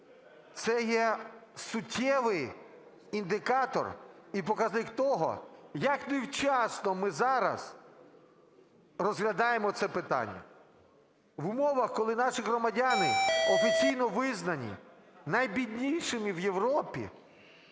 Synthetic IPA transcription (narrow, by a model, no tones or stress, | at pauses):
t̪sɛjɛsʊtʲʰːɛʋɪj | ind̪ɪkɑt̪ɔ̰ripɔkɐznɪkt̪ɔɦɔ̰jɐknɪwt͡ʃɑsnɔmɪzɑɾɐ̰z̥ | rɔzɦlʲɐd̪ɑjemɔt̪sɛpɪt̪ɑ̰nʲːɐ̰ | ʋʊmɔʋɐxkɔlˠɪnɑʃɪɦɾɔmɐdʲanɪɔfʲit͡sʲijnɔʋɪznɐnʲḭ | nɐjbʲidʲnʲijʃɪmiwjeʋɾɔpʲḭ